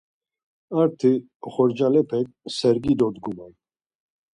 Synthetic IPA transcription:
aɾt̪ʰi | ɔχɔɾd͡ʒalɛpʰɛk̚ | sɛɾɡid̪ɔd̪ɡuman

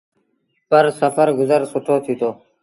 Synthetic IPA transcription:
pəɾsəfəɾɡʊzəɾsʊʈʰoːt̪ʰiːt̪oː

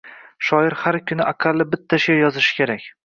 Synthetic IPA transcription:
ʃɒɪɾhaɾkʲʰʊnɪʔaqʰalːɪbɪt̪ʰːaʃjɒzɪʃɪ̥kʲʰeɾakʲ

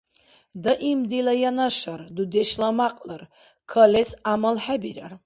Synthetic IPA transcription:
d̪əʔimd̪ilajanaʃaɾd̪ud̪ɛʃlamaqʼləɾ | kʰəlɛsamalħabiɾa̰ɾ

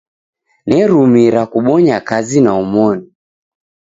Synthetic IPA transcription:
nɛɾumiɾakuɓɔɲakazinaumɔni

